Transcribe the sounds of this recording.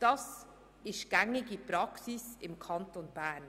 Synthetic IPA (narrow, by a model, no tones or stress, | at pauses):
d̥ɑs | ɪstɡ̥ɛŋɪɡəpɾɑksɪsɪmkʰɑntonbɛɐn